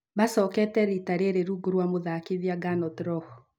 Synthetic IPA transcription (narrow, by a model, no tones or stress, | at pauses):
basɔkɛtɛɾitaɾeɾeɾuɡuɾwamoðakɪðjaɡanɔt̪ɾɔhɔ